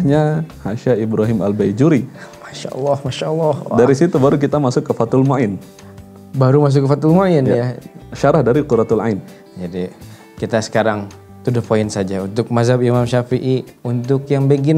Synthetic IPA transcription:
ɲahaʃaibɾaɦɪma̰lbajd͡ʒuɾimaʃa̰ʔlːɑhmaʃaʔlːɑhdaɾisit̪ubaɾuk̬it̪amasʊkːəfat̪ʊlmaʔɪn | baɾumas̬ʊkːəfat̪ʊlmaɪnjjaʃaɾahdaɾiquɾat̪ulain | d͡ʒadi | kit̪asə̥kaɾaŋ | t̪udahpoɪnsad͡ʒaunt̪ʊk̚mazabimamʃafiʔi | unt̪ʊkjaŋbəɡin

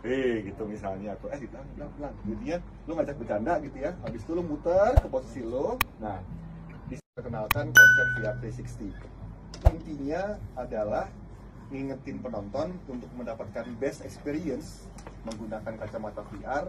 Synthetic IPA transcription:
eɡit̪umisalɲaːt̪oɛditlaŋblalaŋɡit̪iɲa | lʊŋad͡ʒak̚bərd͡ʒandaɡit̪ujaabist̪ulʊmut̪ərkəposi̥silohnah | bisat̪ərkənalkankɔt̪ɔpiarpesikst̪i | ənt̪iɲaadalah | ŋiŋət̪ɪnpənɔnt̪ɔnunt̪ʊk̚məndapat̪̚kanbɛst̪ɛkspeɾiəns | məŋɡunakankat͡ʃamat̪apiʔar

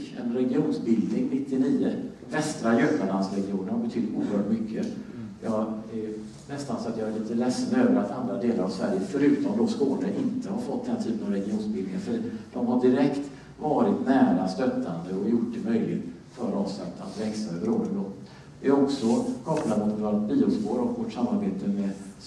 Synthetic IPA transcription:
ɛ̰nɾɛɡɪuːnsbɪld̪nɪŋnɪt̪ːɪniːə | vɛst̪ɾajœpalansɾɛɡɪuːnəɾhaɾbɛt̪ʰʏd̪t̪uːəɾhœːʈmʏkʰːəjɑːɡæɾ | nɛst̪ansɔat̪jɑɡɛliːt̪əlɛsːənøːvəɾat̪ʰand̪ɾad̪eːlaɾavsvæɾjəfœɾʉ̟ːt̪ɔmd̪ɔskoːləʔɪnt̪əhaɾfɔt̪̚ːd̪ɛnt̪ʰyːpənɑvɾɛɡɪuːnsbɪld̪ɪŋanfəd̪̥ɔmhaɖɪɾɛkt̪ | vɑːɾɪt̪næːɾast̪œt̪ʰːand̪əɔjʊʈ̚d̪ɛmœjlɪ̰ɡt̪ | fœɾɑːvslɛ̰t̪ʰːa̰nvɛkst̪aøɾoːd̪ənd̪ɔ | vɪæɾɔksɔkʰɔplad̪mʊt̪t̪alt̪̚biːʊspoːɾɔkvɔʈʂamːaɾbeːt̪ʰəmɛ

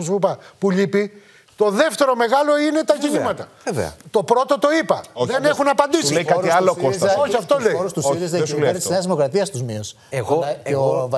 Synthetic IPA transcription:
supɐpuʎipi | t̪o̞ðe̞ft̪e̞ɾo̞me̞ɣɐlo̞ine̞t̪ɐʝiɲimɐt̪ɐ | evḛɐ̰t̪o̞pɾo̞t̪o̞t̪o̞ipɐoðene̞xunɐpɐnd̪isejkɐiɐlokosoçiɐft̪o̞leɾst̪zesulejɾseɐzðimo̞kɾɐt̪iɐst̪uzmius | eɣo

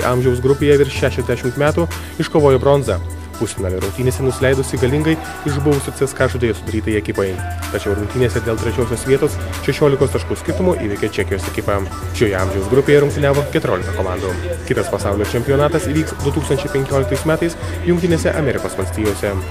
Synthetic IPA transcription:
ʔɑ̰mʲʒʲɛʊsɡɾʊpʲeːjɛʋʲɪɾʃʲæːʃʲɛzʲd̪ʲæʃʲɪmt̪mʲæːt̪uː | ɪʃkoːʋoːjɛbɾɔnzɐ | pʊsʲɪnɐːlʲɛɾʊŋk̚ʲt̪ʲiːneːsʲɛnʊsʲɪlʲɛɪd̪ʊsʲɪɡɐlʲɪŋɡɐɪ | ɪʒbʊʋʊsʲoːsʲeskɑːʒʊd̪ʲeːjɛsʊd̪ɐɾʲiːt̪ɐjɛkʲɪpɐjt̪ɐt͡ʃʲɛʊɾʊŋkt̪ʲiːnʲeːsʲɛd̪ʲeːlˠt̪ʲɾʲɛt͡ʃʲoːsʲoːsʋʲiɛt̪oːsʃʲɛʃʲoːlʲɪkoːst̪ɐʃkuːsʲkʲɪɾt̪ʊmoːʔḭːʋʲɛkʲɛt͡ʃʲækʲɪjoːsɛkʲɪpɐ | ʃʲoːjɛɐmʲʒʲɛʊsɡɾʊpʲeːjɛɾʊŋkt̪ʲɪnʲæːʋoːkʲɛt̪ʊɾʲoːlʲɪkɐkoːmɑːnd̪oːkʲɪt̪ɐspɐsɑˑʊlʲoːt͡ʃʲɛmʲpʲɪjonɑːt̪ɐsiːʋʲiːksd̪ʊt̪uːkst̪ɐnʲt͡ʃʲɛɪpʲɛŋʲkʲoːlʲɪkt̪ɐɪsmʲæːt̪ɐɪs | jʊŋkt̪ʲɪnʲeːsʲɛʔɐmʲɛɾʲɪkoːsʋɐlʲsʲt̪ʲiːjoːsʲɛ

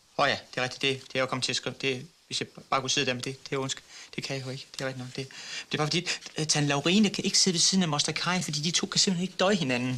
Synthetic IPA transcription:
ɒjæd̥e̝ʁeɡ̥d̥i̥d̥e̝d̥e̝kækʰɒ̽mət͡sʰe̝sɡ̥ʁed̥e̝ʋesjɑ̈ɪb̥ɑ̈ːkuseðˠd̥æɐend̥e̝d̥e̝ɔnsɡ̥d̥e̝kʰæjɑjoe̝ɡ̥əd̥eʁeɡ̥̚d̥inɒ̽ɡ̥̚d̥een̥e̝ɐb̥ɑ̈fɒd̥ḭːt͡sʰænlɑ̈ʊʁiːnəkʰæʔe̝ɡ̥əse̝ðˠʋesiðˠn̩æmɒsd̥ɐkʰɑ̈ɪnfɒ̽d̥ḭːd̥it͡sʰo̝̰ːkʰæse̝m̥lene̝ɡ̥əd̥ɒ̽ɪhe̝nænn̩

